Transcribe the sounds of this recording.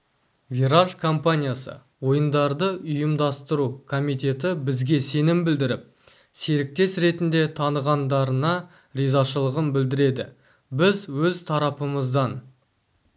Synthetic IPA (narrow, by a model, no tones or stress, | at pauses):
vʲiɾaʒkʰo̞mpanʲijasə̰ | wo̞jənd̪ɑɾd̪əʔʊjəmd̪ɑst̪əɾukʰo̞mijt̪ʲe̞t̪ɪbɪzɡʲe̞se̞nɪmbɪld̪ɪɾɪp̚ | se̞ɾɪk̚t̪e̞sɾe̞t̪ɪnd̪e̞t̪ʰɑnəʁɑnd̪ɑɾənɑ | ɾizɑʃəlˠəʁəmbɪld̪ɪɾe̞d̪ɪ̰ | bɪzwɵzt̪ʰɑɾɑpəməzd̪ɑn